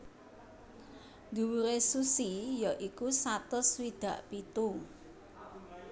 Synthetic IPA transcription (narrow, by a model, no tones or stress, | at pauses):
nd̪uwuɾesusijɔʔikusat̪ʊswid̪̥ä̤ʔpit̪u